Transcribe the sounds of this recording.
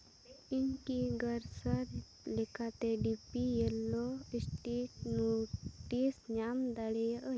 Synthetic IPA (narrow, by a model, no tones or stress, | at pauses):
inkiɡəɾsəɾ | lekat̪eɖipijelːɔisʈiʈnoʈisɲamd̪aɽeə